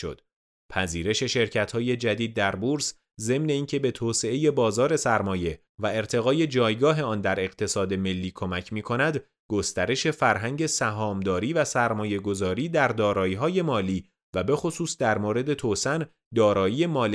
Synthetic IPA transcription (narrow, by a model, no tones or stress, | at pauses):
ʃo̰d̪̥̚ | pʰæziːɾe̞ʃe̞ʃe̞ɾcʰæt̪hɒːje̞d͡ʒæd̪iːd̪̚ːæɾbuɾs | ze̞mne̞iːncʰe̞be̞t̪ʰoːse̞e̞je̞bɒːzɒːɾe̞sæɾmɒːje̞ | væe̞ɾt̪ʰe̞ɣɒːje̞d͡ʒɒːjɡɒːɦe̞ɒːnd̪æɾe̞ɣ̥t̪ʰe̞sɒːd̪e̞me̞lːiːkʰo̞mæcʰmiːkʰo̞næd̪ | ɡ̥o̞st̪æɾe̞ʃe̞fæɾɦæŋɟe̞sæɦɒːmd̪ɒːɾiːvæsæɾmɒːje̞ɡo̞zɒːɾiːd̪æɾd̪ɒːɾɒːjiɦɒːje̞mɒːliː | væbe̞xo̞suːsd̪æɾmoːɾe̞d̪e̞t̪ʰoːsæn | d̪ɒːɾɒːjiːe̞mɒːl